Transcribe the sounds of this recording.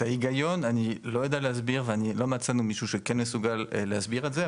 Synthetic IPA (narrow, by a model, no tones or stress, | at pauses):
aiɡajɔnanilɔɛd̪aleas̬biʁveanilɔmat͡sanumiʃuʃɛkɛnmesuɡalɛːasbiʁazɛ